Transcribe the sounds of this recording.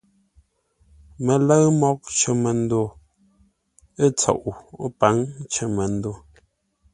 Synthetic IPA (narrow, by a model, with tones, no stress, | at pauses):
mə˨lə˦ɰmɔ˦˨k̚t͡ʃə˨mə˨n̩˦do˨ | e˦t͡sɔ̰˨ʔu˨˦pa˨˦ŋt͡ʃə˨mə˨n̩˦do˦˨